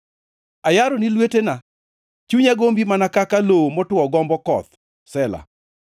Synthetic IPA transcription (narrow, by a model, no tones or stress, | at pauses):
ajaɾɔnilwetena | t͡ʃuɲaɡombimanakakalowomɔtʊɔɡɔmbɔkɔt̪̚ | sɛla̰